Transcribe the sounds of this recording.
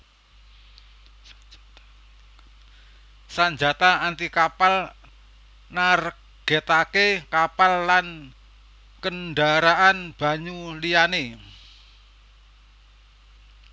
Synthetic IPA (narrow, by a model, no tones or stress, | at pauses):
saɲd͡ʒat̪aant̪ikapal | nar | ɡ̥et̪akekapalːan | kənɖaɾaʔanb̥a̤ɲuliane